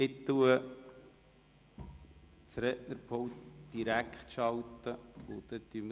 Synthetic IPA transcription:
ɪt̪ːuə | t͡sɾɛʔnəɾpʰowt̪d̪̥iɾækχt̪ʃɑlt̪əʊt̪ɛt̪ym

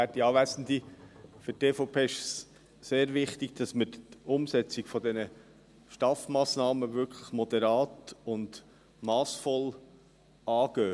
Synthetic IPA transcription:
ætd̥iɑːʋæsn̩difɵɾteːfɔpʰeːɪʃs | seːɾʋɪχt̪iɡ̥d̥ɑsməɾtʊmsɛt͡sɪɡ̥fɔd̪ɛnə | ʃtɑːfmɑːsnɑːməʋʏɾkʰləχmɔd̪ɛɾɑːtʊnd̥ | mɑːsfɔl | ɑːɡ̥øː

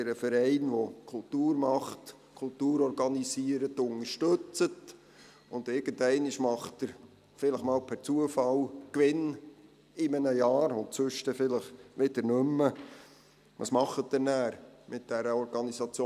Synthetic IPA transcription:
ɪɾəfɛɾɛɪnʋokʰʊltuːɾmɑχt | kʰʊltuːɾɔɾɡɑnisiəɾətːʊŋəɾʃtɵt͡sət | ʊnd̪ɪɾɡ̥əndɛɪnɪʃmɑχtəɾ | fɪləχmɑːlpʰæɾt͡suəfɑlkʋɪn | ɪmənəjɑːɾʊntt͡sɵʃtɛfɪləχʋɪd̥əɾnʏmːə | ʋɑ̰smɑχːətːənæːɾmɪt̚d̥ɛɾəɔɾɡɑnisɑt͡sjoː

